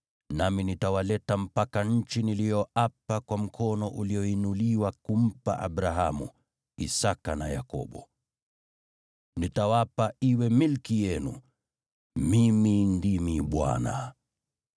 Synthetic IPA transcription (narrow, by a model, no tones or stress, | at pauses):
naminitawalɛtam̩pakaɲ̩t͡ʃinilijɔʔapakwam̩kʰɔnɔʔuliɔinuliwakum̩pa̰ʔaɓɾaɦamṵ | ḭsakanaja̰kɔ̰ɓɔ̰ | nitawapaiwɛmilkijɛnṵ | mimindimiɓwa̰na̰